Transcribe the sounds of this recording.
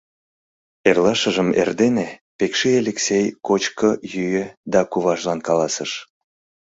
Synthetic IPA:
erlɑʃəʒəmḛrd̪enepekʃielʲeksʲejkot͡ɕkəjyjød̪ɑkuβɑʒlɑnkɑlɑsəʃ

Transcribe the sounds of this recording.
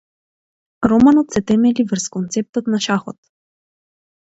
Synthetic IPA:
ɾɔmanɔt̪sɛt̪ɛmɛlivr̩skont̪sɛp̚t̪ɔt̪naʃaxɔ̰t̪̚

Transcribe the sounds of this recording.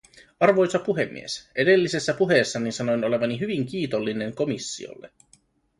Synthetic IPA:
ɑrʋo̞jsɑpuɦe̞mːḭe̞sʔe̞de̞lːise̞sːæpuɦe̞ːsːɑninsɑno̞jno̞le̞ʋɑniɦyʋiŋk̟iːt̪o̞lːine̞ŋko̞misːḭo̰lːe̞

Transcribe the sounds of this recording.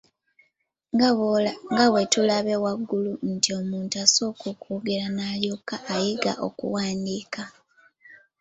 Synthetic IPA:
ŋɡawe̞tulaβe̞waɡːuluntio̞muːntuaso̞ːkukuːɡeɾanaːljokaʔːjiɡa̰ʔo̞̰kṵwaːndiːka

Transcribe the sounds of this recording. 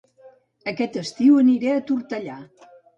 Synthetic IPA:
əkɛt̪əst̪iwəniɾɛət̪uɾt̪əʎa

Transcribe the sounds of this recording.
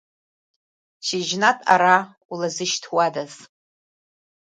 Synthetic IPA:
t͡ʃʰiʒnatʼa̰ɾa | ulazɨʃtʰwadaz

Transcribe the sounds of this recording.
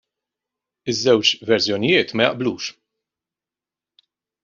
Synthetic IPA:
ɪzːɛwt͡ʃvɛɾsjɔnɪjɪːt̪mɐjɐ̰ʔbluːʃ

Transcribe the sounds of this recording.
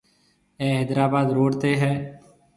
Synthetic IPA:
ɛːɦeːd̪ɾaːbaːd̪ɾoːɽt̪eːɦɛː

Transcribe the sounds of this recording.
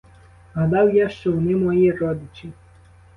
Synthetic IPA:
ɦad̪awjaʃt͡ʃɔwnɪmɔjiɛɾɔd̪ɪt͡ʃi

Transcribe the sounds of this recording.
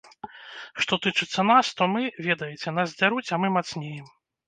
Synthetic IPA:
ʂt̪ɔt̪ɨt͡ʂɨt̪sːɐnast̪ɔmɨvʲɛd̪ɐjɛt͡sʲɛnasd͡zʲaɾut͡sʲamɨmat̪snʲejɛm

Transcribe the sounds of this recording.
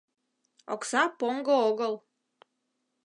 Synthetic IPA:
o̰ksɑpoŋɡooɣəlˠ

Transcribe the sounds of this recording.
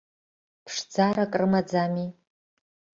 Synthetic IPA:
pʰʂd͡zarakʼrɨmad͡zami

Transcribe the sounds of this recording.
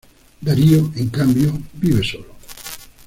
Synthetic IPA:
d̪aɾioeŋkambjobiβesolo

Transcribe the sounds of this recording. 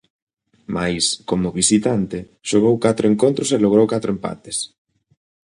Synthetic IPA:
majskomʊβisit̪ant̪ɪ | ʃoɣ̞owkat̪ɾoeŋkont̪ɾʊseloɣ̞ɾowkat̪ɾoempa̰t̪es

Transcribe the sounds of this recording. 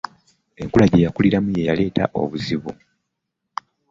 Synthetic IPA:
e̞ŋkulaɟe̞jakuliɾamuje̞jale̞ːta̰ʔo̞̰βuziβu

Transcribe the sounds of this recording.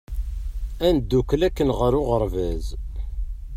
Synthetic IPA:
ænd̪ːukːəlækːənʁəɾʊʁəɾvæz

